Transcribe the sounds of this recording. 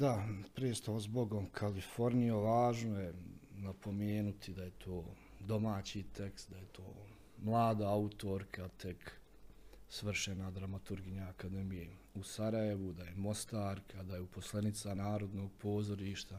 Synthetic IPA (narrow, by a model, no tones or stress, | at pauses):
d̪apɾeest̪aʋazbo̞ɡomkʰalifo̞ɾnijoʋaːʒnoje̞napʰo̞meːnut̪ʰid̪aje̞t̪ʰoː | d̪o̞maːt͡ɕit̪e̞kst̪d̪aje̞t̪ʰo̞ː | mlˠaːd̪aaut̪o̞ɾkʰat̪ʰe̞k | sʋr̩ʃenad̪ɾamat̪uɾɡiɲaːkad̪e̞mije | usaɾaje̞ʋud̪ajemo̞st̪aːɾkʰad̪ajeuposlˠenit̪sanaːɾo̞d̪no̞ːɡ̚po̞ːzo̞ɾiːʃt̪a